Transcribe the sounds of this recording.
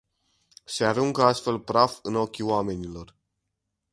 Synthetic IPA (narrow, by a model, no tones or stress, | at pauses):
se̞aɾuŋɡəast̪fe̞lpɾafɨno̞kʲiwame̞nilo̞r